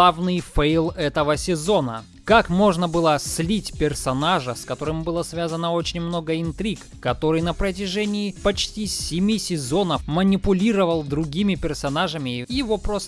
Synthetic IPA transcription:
avnɨjfejlˠɛt̪əvəsʲɪzo̞nə̰ | kakmo̞ʐnəbɨlˠəslʲitʲpʲɪrsɐnaʐəskɐt̪o̞ɾɨmbɨlˠəsvʲazənəo̞t͡ɕɪnʲmno̞ɡəɪnt̪ɾʲikːɐt̪o̞ɾɨjnəpɾət̬ʲɪʐɛnʲɪːpɐt͡ɕtʲisʲɪmʲisʲɪzo̞nəfmənʲɪpʊlʲiɾəvəlˠd̪ɾʊɡʲimʲɪpʲɪrsɐnaʐəmʲɪjɪvo̞pɾos

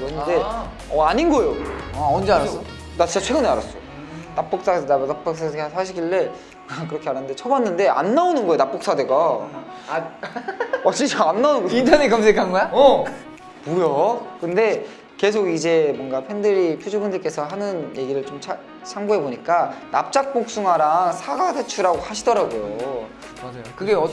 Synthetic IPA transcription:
kɯɾʌnːde̞ | ʌaɲinɡʌjoaʌnd͡ʑeaɾas͈ʌ | dat͡ɕit͡ɕat͡ɕʰwe̞ɡɯnɯaɾas͈ʌjo | nap͈ok̚s͈aanap͈oks͈ʰasʰaɕʰiɡiɭːe̞ | akɯɾʌkʰeaɾanːɯnde̞t͡ɕʰʌbanːɯnde̞a̰nːaonɯnɡʌejonap͈ok̚s͈ade̞ɡa | ʌt͡ɕit͡ɕaanːaonɯnɡʌintʰanekams̬ʰekʰanɡʌja | bujokɯnde̞ | ke̞s̬ʰoɡid͡ʑe̞mwʌnɡapʰe̞ndɯɾipʰjud͡ʑoɡɯndɯɭk͈e̞sʰʌɦanɯnje̞ɡiɾɯɭt͡ɕomt͡ɕʰa | t͡ɕʰaŋɡuɦe̞boɲik͈ana̰p̚t͡ɕ͈ak̚p͈ok̚s͈uŋɦaɾaŋsʰaɡadet͡ɕʰuɾaɡohaɕʰidʌɾaɡojo | mad͡ʑajokɯɡe̞ʌ

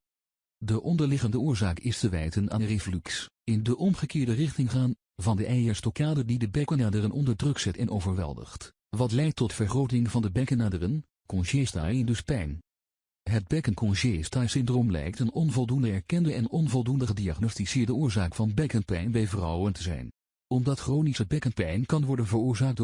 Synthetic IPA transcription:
dəʔɔndəɹlɪχəndəʊːɹzaːkɪstəʋɛjtəna̰ːrevlyks | ɪndəʔɔmχəkɪːɹdərɪχtɪŋχaːn | vɑndəʔɛjəɹstɔkaːdəndidəbɛkənaːdərənʔɔndəɹdrɵksɛtɛnʔowvəɹʋɛ̰lˠdə̰χt | ʋɑtlɛjk̚tɔtfəɹχrowtɪŋvɑndəbɛkənaːdərən | kɔnʒesta̰ːndɵspɛjn | ɦəd̚bɛkənkʰɔnʒestaːsɪndroːmlɛ̰jk̚tənɔnvɔlˠdundəɛɹkɛndəʔɛnɔnvɔlˠdundəχədiaχnostisɪːɹdəʊːɹzaːkfɑnbɛkənpɛjnbɛjvrɑ̰wəntəzɛ̰jn | ɔmdɑtχrownisəbɛkənpɛjnkɑnʋɔɹdənvəɹʊːɹzaːk̚t

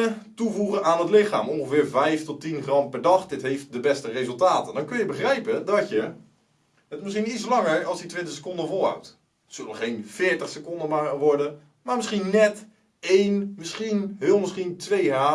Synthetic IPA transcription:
ətuvuχəaːnɦətlɪχa̰ːmɔ̃nχəvɪːɹvɛjftɔtinχrɑmpɛɹdɑχdɪtɦejft̚dəbɛstərejzəlˠtaːtəndɔnkɵnjəbəχrɛjpədɔtjə | ətmɪsχinislɑŋəɹɑlˠsditʋɪntəχsə̥kɔndəvɔlˠɦa̰wt | sølˠənəχejnfɪːɹtəχsəkɔndəmaʋɔɹdə | maːɹmɪsχinnɛt | ejnmɪsχinɦɪːlˠmɪsχintʋejɦaː

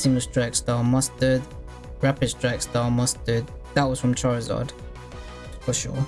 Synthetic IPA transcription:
sɪ̃ŋəlstʰɹ̥aɪkstɑːmʌstəd | ɹapɪd̥stɹ̥aɪkstɑːmʌstəd̪̚ðəʔwɒz̥fɹə̃mtʰaɹɪzɑ̰d̥ | fəʃɔ̰ː

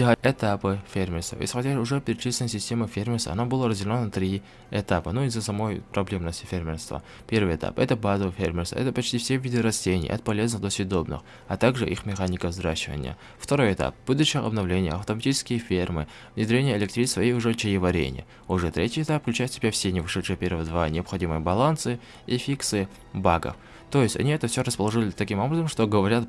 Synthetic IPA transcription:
ɪxɐɛt̪apɨfʲermʲɪrst̪və̰ɪ̰sxɐdʲaʒʊʐɛpʲɪɾʲɪt͡ʃisʲlʲɪnəsʲɪsʲtʲeməfʲermʲɪrsɐ̰nabɨlˠəɾəzʲdʲɪlʲonːɐt̪ɾʲi | ɛt̪apənuizːəsɐmo̞jpɾɐblʲemnəsʲtʲɪ̥fʲermʲɪrst̪və̰ | pʲe̞rvɨjɛt̪a̰pɛt̪əbazəvɨfʲermʲɪrst̪və̰ɛ̰t̪əpɐt͡ɕt̪ʲifsʲevʲid̪ʲɨɾɐsʲtʲenʲɪ̰jʔɐ̰t̪̚pɐlʲe̞znɨxd̪ɐsʲʊd̪obnɨ̰x | ɐt̪aɡʐɨʔixmʲɪxanʲɪkəzɾaɕːɪvə̰nʲɪjə̰ | ft̪ɐɾo̞jɪt̪a̰p̚b̥ud̪ʊɕːɪjəʔɐ̰bnɐvlʲenʲɪjə̰ɐft̪əmɐtʲit͡ʃɪ̥skʲɪjəfʲermɨ̰ | vnʲɪd̪ɾʲenʲɪjəɪlʲɪkt̪ɾʲisvɐjejʊʐɛt͡ɕɪjɪvɐɾʲḛnʲɪ̰jə̰ | ʊʐɛt̪ɾʲʔetʲɪɛt̪apfklʲʉt͡ʃajt̪sʲɪbʲafsʲenʲɪvɨʂɛt̪ʂɨjəpʲeɾvəjəd̪vanʲɪɐpxɐdʲimɨjəbɐlˠansɨ | ifʲiksɨ | baɡə̰f | t̪o̞jɪsʲtʲɐ̰nʲiɛt̪əfsʲoɾəspəlˠɐʐɨlʲɪt̪ɐkʲimo̞bɾəzəmʂt̪oɡəvɐɾʲat̪̚

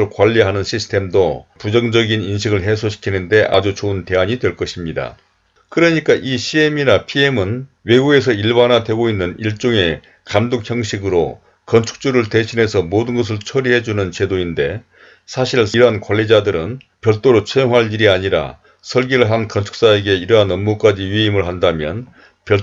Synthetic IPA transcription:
ɯɭkwaʎːiɦanɯnɕʰisʰtʰe̞mdopud͡ʑʌŋd͡ʑʌɡininɕ̬ʰiɡɯɭɦe̞sʰoɕʰi̥kʰinɯnde̞ʔa̰d͡ʑut͡ɕounte̞aɲidwe̞ɭk͈ʌɕʰimɲida̰ | kɯɾʌɲik͈aʔiɕʰieminapʰie̞mɯn | we̞ɡue̞s̬ʰʌiɭbanadwe̞ɡoinːɯniɭt͡ɕ͈oŋe̞ | kamdok̚çjʌŋɕʰiɡɯɾo̰ | kʌnt͡ɕʰu̥k̚t͡ɕ͈uɾɯɭte̞ɕʰine̞sʰʌmodɯnɡʌs̬ʰɯɭt͡ɕʰʌɾiɦe̞d͡ʑunɯnt͡ɕe̞doinde̞ | sʰaɕʰiɭiɾɦankwaɭːid͡ʑadɯɾɯn | pjʌɭt͈oɾot͡ɕʰejoŋɦaɭiɾiaɲiɾa̰ | sʰʌɭɡiɾɯɭɦankʌnt͡ɕʰu̥k̚s͈aeɡe̞iɾʌɦanʌmːuk͈ad͡ʑiɥiimɯɭɦandamjʌ̰n | pjʌ

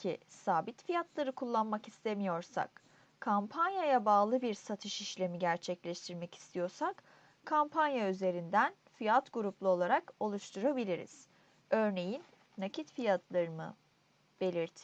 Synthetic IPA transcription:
cʰisaːbit̪fijat̪ʰlˠaɾɯkʰulˠːanmakist̪ʰemijo̞ɾsa̰k | kʰampʰanjajabaːlˠɯbiɾsat̪ʰɯʃiʃlʲe̞miɟæɾt͡ʃʰɛclʲɛʃt̪ʰiɾmɛci̥st̪ʰijo̞ɾsak | kʰːampʰanjayze̞ɾind̪æn | fijat̪ɡuɾuplˠuo̞lˠaɾako̞lˠuʃt̪ʰuɾabilʲiɾḭz̥ | ø̞ɾne̞jinː | acʰit̪fijat̪ʰlˠaɾɯmɯ̰ | b̥e̞lʲiɾt̪ʰɪ̥

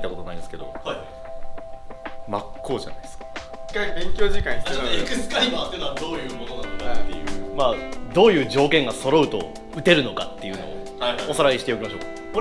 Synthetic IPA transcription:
it̪ːakoonaĩnd̪esɨ̥ke̞d̪o̞̰haj | makʰːo̞ːʑa̰na̰jd̪eskḁkabẽ̞ŋkʲo̞ːʑikãĩaaekɯsɨ̥kaimat̪ːenoβd̪oːjɯ̟ːmono̞nãnokat̪ːḛjɯ̟̰ːmaːd̪o̞ːjɯ̟ːʑo̞ːkẽŋɡaso̞ɾo̞ɯ̟t̪o̞̰ | ɯ̟t̪e̞ɾɯ̟no̞kat̪ːe̞jɯ̟no̞̰ː | hajosaɾaiɕi̥t̪e̞o̞kʲimaɕo̞ːkḁ | ko

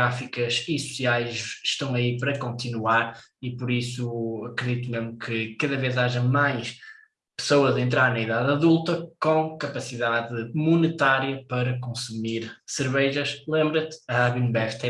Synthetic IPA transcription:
ɾafikɐzisu̥siajzʃt̪ɐ̃w̃ɐipɐɾɐkõnt̪inuaɾipɔɾisuɐkɾɨðit̪umeʒmukʰɨkɐðɐvezaʒɐmajʃ | pɨ̥sowɐzẽnt̪̬ɾaɾnɐiðaðɐðulˠt̪ɐkõkɐpɐsiðaðɨmunɨt̪aɾjɐpɐɾɐkõsumiɾsɨɾβɛʒɐʃlˠẽmbɾɐt̪ɐaβinbɛt̪ɛ

